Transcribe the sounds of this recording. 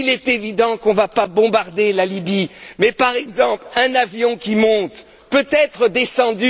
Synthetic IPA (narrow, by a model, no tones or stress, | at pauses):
ilɛt̪evid̪ɑ̃kɔ̃vapabɔ̃baʁd̪elalibimɛpaʁɛɡzɑ̃plɛ̃navjɔ̃kʲimɔ̃t̪ | pøt̪ɛt̪χəd̪esɑ̃d̪y